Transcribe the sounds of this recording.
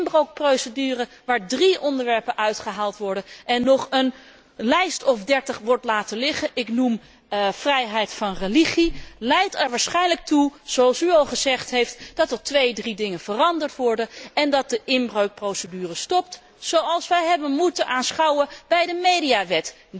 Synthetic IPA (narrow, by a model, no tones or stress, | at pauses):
nbrowk̚prowsədyːrə | ʋaːɹdriʔɔndəɹʋɛɹpənʔœɥtχəɦaːlˠtʋɔɹdənʔɛnːɔχən | lɛjstɔfdɛɹtəχʋɔɹtlaːtəlɪχənʔɪknum | frɛjɦɛjtfɑnreliχilɛjtɛɹʋaːɹsχɛjnlək̚tuz̥oɑlˠsyɑlˠχəzɛχtɦejftd̥ɑtəɹtʋejdridɪŋənvərɑndəɹtʋɔɹdənɛndɑt̚dəʔɪmbrowk̚prowsədyːrəstɔp̚t | sowɑlˠsʋɛjɦɛbənmutənʔaːnsχɑwəb̥ɛjdəmejdiaʋɛt